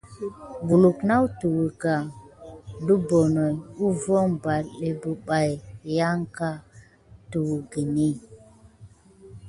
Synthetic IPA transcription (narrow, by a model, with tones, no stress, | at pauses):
vu˨lu˨kna˦wtu˨wu˨ɡa˨ | du˦bo˨nɔ˨ju˦vɔ˦mba˨le˨bu˨ɓa˨jja˦ŋka˦ | tu˨wɡi˨ni˦